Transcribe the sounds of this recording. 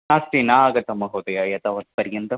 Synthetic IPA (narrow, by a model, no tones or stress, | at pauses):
aːsʈinaɡɐt̪ːɐmːɐɡʱɐwd̪ɐjajɐt̪ɐʋɐnd̪pɐɾjɐnt̪ɐ